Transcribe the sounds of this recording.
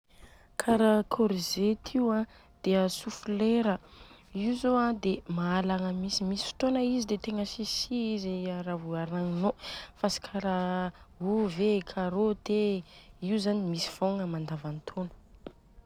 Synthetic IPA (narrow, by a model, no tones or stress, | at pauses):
kʰaɾakʰoɾizet̪ʰiwã | d̪̥eəsufuleɾə | iuzoãd̪emaalaŋəmisimisi̥fi̥t̪onəizid̪et̪eŋəsisiiziaɾaɦuaɾaŋinofasi̥kʰaɾaɦuvekʰaɾod̪eiuzanimisi̥v̥oŋəmand̪avant̪ʰonə̥